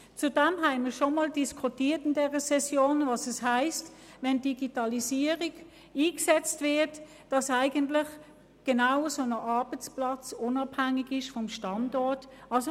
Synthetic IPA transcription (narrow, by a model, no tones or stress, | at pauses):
t͡sudɛmɦæɪmiɐʃomɑːldiskʰutiːɐtɪndɛːʁəsɛsjoːnvɑːsɛshæɪst | vɛndiɡitɑlisiːəʁiɡ | iːksɛt͡stvɪɐt | d̥ɑsæɪɡəntlɪχ | ɡ̥enaʊəsonəʔɑɐb̥ət͡splɑt͡sʊnɑphæŋɪɡɪʃfɔmʃtɑndɔɐtɑlso